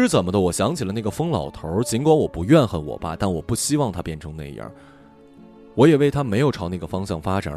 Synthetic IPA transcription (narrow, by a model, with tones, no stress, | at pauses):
ɻ̩˥˩t͡sə˨˩nmə˦d̪ə˧wɔ˨˩ɕjɑ˧˥ŋt͡ɕʰi˨˩lə˦na˥˩ɡə˩fɤ˥ŋlɑ̰˨˩ʊt̪ʰə˧˥t͡ɕi˧˥nkwa˧˥nwɔ˨˩pu˧˥ɥɛ˥˧nxə˧˩nwɔ̰˨˩ba̰˦t̪a˥˩nwɔ˨˩pu˥˩ɕi˥wɑ˥˩ŋt̪ʰa˥pjɛ˥˩nʈ͡ʂʰɤ˧˥ŋna̰˥˩ḭ˧˩jə̰˥˧˥ | wɔ˧˥jɛ˨˩we˥˩ɪt̪ʰa˥me˧˥ɪjo˨˩ʊʈ͡ʂʰɑ˧˥ʊna˥˩ɡə˩fɑ˥ŋɕjɑ˥˩ŋfa˥ʈ͡ʂa̰˨˩